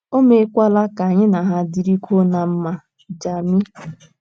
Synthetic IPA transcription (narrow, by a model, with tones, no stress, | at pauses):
o˦me˦kʷa˦la˦ka˨a˨ɲɪ˦na˨ɦa˦˨di˨ɾi˦kʰʷo˦na˨m̩˦ma˨ | d͡ʒa˨mi˦